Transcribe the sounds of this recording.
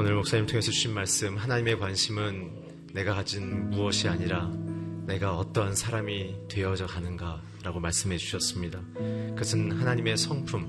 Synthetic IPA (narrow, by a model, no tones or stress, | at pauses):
onɯɭmok̚s͈aɲimtʰoŋe̞sʰʌd͡ʑuɕʰinmaɭs͈ɯmhanaɲime̞kwanɕʰimɯnː | e̞ɡakad͡ʑinmuʌɕʰiaɲiɾane̞ɡaʌt͈ʌnsʰaɾamitwe̞ʌd͡ʑʌkanɯnɡa | ɾaɡomaɭs͈ɯmɦe̞d͡ʑuɕʰʌs͈ɯmɲida | kɯʌsʰɯnhanaɲime̞sʰʌŋpʰum